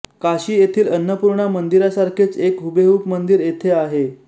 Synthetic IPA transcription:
kaɕiːjet̪ʰiːlənːəpuɾɳamənd̪iɾasaɾkʰet͡sekɦubeɦuːpmənd̪iɾet̪ʰeaɦe

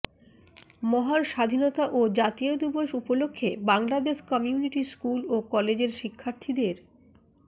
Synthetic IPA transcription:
mɔɦaɾʃad̪ʱinot̪aʔod͡ʑat̪iod̪iboʃupolokʰːebaŋlad̪eʃkɔmiuniʈiskulokɔled͡ʑeɾʃikʰːaɾt̪ʰid̪eɾ

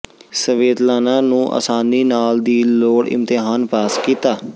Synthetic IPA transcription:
səʋeːd̪laːnãːnũːʔə̰saːniːnaːld̪iːloːɽɪ̰̃mt̪ɪɦaːnpaːskiːt̪aː

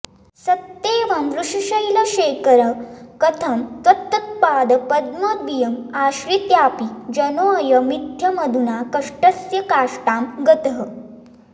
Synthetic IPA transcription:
sɐt̪ːeːʋɐmɾuʂiɕɐjlɐɕeːkəɾɐkɐt̪ʰɐmt̪ɐt̪ːɐt̪̚paːd̪ɐpɐd̪̚mɐd̪̚bijɐmaːɕɾit̪jaːpid͡ʒɐnojɐmit̪ʰjɐmɐd̪ʱunakɐʂʈɐsjɐkaːʂʈaːmɡɐt̪əɦə

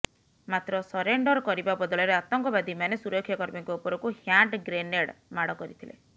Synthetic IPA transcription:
mat̪ɾɔsɔɾeɳɖɔɾkɔɾibabɔd̪ɔɭɔɾeat̪ɔŋkɔbad̪ʱimanesuɾɔkʰːjɔkɔɾmiŋkɔupɔɾɔkuhjaɳʈɡɾeneɽmaɽɔkɔɾit̪ʰilḛ

